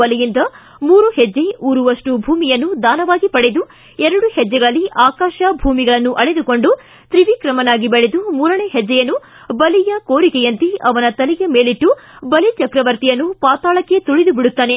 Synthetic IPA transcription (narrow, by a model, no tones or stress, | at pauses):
ɐlijind̪ɐ | muːɾuhɛd͡ʒːe̞ʔuːɾuʋɐʂʈubʱuːmijɐnːud̪aːnɐʋaːɡipɐɽed̪u | ɛɾɐɽuhɛd͡ʒːɛɡɐɭɐlːiʔaːkaːʃɐbʱuːmiɡɐɭɐnːuʔɐɭed̪uko̞ɳɖu | t̪ɾiʋikɾɐmɐnaːɡibeɭed̪umuːɾɐɳeːɦɛd͡ʒːɛjɐnːu | bɐlijɐkoːɾikɛjɐnt̪iʔɐʋɐnɐt̪ɐlijɐme̞ːɭiʈːubɐlit͡ʃɐkɾɐʋɐɾt̪ijɐnːupaːt̪aːɭɐkːet̪uɭid̪ubiɽut̪ːaːne̞